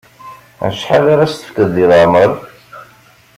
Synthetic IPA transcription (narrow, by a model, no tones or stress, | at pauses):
ʃħalaɾast̪ə̥fkəðːiləʕməɾˤ